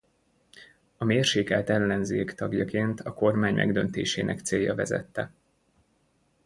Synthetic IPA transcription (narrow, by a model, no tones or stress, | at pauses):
ɒmeːrʃeːkaːt̪ɛlːɛnzeːkt̪ɒɡjɒkeːnt̪ʰɒko̞rmaːɲmʔɛ̰ɡd̪ønt̪eːʃeːnʔɛkt̪seːjːɒvɛzɛ̰t̪ːɛ